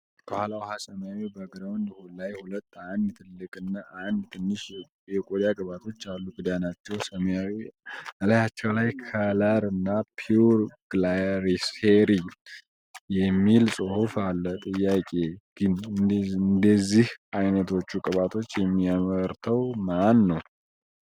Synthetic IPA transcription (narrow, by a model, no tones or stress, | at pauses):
bəhʷalawhasəmjawibəɡɾəwnd̪əhulajhulət̪ːand̪t̪ʰɨlːɨkʼɨnːaʔand̪t̪ʰɨnːɨʃ | jɛkʼod̪jakʼɨβat̪ʰo̞t͡ʃːalːuɡɨd̪ajanat͡ʃːɛwsəmjawibəlajat͡ʃːɛwlajkʰalaɾɨnːapʰuɾɡ̥laɾiseɾi | jɛmːilsʼɨhufalːət̪ʼɨjːakʼe̞ɡ̥ɨnɨnd̪əzːihajnət̪ʰo̞t͡ʃːukʼɨβat̪ʰo̞t͡ʃːjɛmːiaməɾt̪ʰəwmanːəw